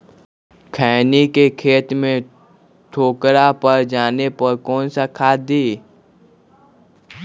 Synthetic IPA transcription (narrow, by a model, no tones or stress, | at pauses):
kʰɛːnikekʰeːt̪mẽ | ʈʰoːkɾapəɾd͡ʒaːnepɐɾkɔːnsakʰaːd̪iː